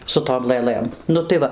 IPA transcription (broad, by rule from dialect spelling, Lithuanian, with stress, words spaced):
sʊ ˈtoːm lˠɘˈlˠɘm ˈnʊ tɐɪ ˈʋɐ